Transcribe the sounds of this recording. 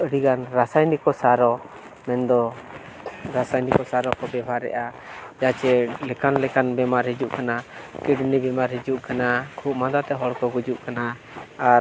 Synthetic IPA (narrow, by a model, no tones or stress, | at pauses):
əɽiɡanɾasajnikɔsaɾɔ | mɛnd̪ɔ | ɾasajnikɔsaɾɔkɔbɛbʱaɾːɛ̰ʔa | d͡ʒat͡ʃɛlɛkanlɛkanbɛmaɾɦid͡ʒuʔkanakiɖnibɛmaɾɦid͡ʒuʔkanakʰuʔmad̪at̪ɛɦɔɽkɔɡud͡ʒuʔkanaː | ɾ